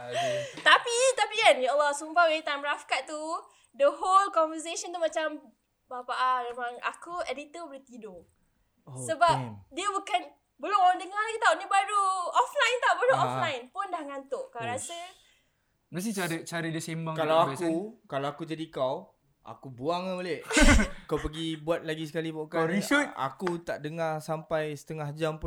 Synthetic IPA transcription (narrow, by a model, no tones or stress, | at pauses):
t̪apit̪apikanjaəlːasumbawenit̪ajmɾafkaʔ̚t̪ːu | dəɦolkɔnvəs̬eʃɔnt̪umat͡ʃam | bapaʔamemãŋa̰kuɛdit̪əbəɾt̪ido | səbapdiəbukan | bəloɔandəŋalakit̪aoʔnĩbaɾuɔflajnt̪awbaɾuʔɔflajnpʊndahŋant̪ʊʔkaɾasə | mas̬it͡ʃaɾət͡ʃaɾidəsembakalawakkukalawakud͡ʒadikaw | ʔa̰kubuaŋəolehkawpəɡibuat̪̚laɡis̬ə̥kalipakaɾiəa̰kut̪aʔdəŋarsampajsə̥t̪əŋahd͡ʒampʊ